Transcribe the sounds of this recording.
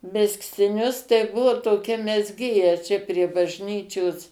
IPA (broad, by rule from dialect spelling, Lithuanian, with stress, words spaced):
mʲɛsktʲɪˈnʲʊs tɐɪ ˈbʊʋoː toːˈkʲɛ mʲɛzʲˈɡʲeːjɛ t͡ʃʲɛ pʲrʲiɛ bɐʒʲˈnʲiːt͡ʃʲoːs